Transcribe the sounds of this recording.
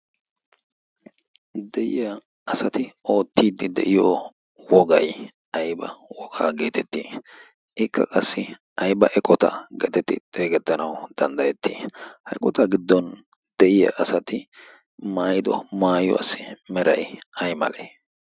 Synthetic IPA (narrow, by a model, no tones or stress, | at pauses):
d̪ɛjɪjɐ | ɐsɐt̪ɪo̞ːt̪ːiːd̪ːɪd̪ɛ̰ʔɪjo | wɔɡɐj | ɐjbɐwɔɡaːɡe̞ːt̪ɛt̪ːiː | ʔɪkʰːɐ̰kʼɐsːɪ | ʔɐjbɐʔɛkʼɔt̪ɐ̰ɡḛt̪ɛt̪ːɪt̪ʼe̞ːɡɛt̪ːɐnɐwd̪̥ɐnd̪ɐjɛt̪ːiːhɐjkʼɔt̪ɐɡɪd̪ːɔn | d̪̥ɛʔɪjɐ̰ʔɐsɐt̪ɪ | maːjɪd̪ɔ̰maːjɔ̰ɐ̰sːɪmɛɾɐjɐjmɐ̰leː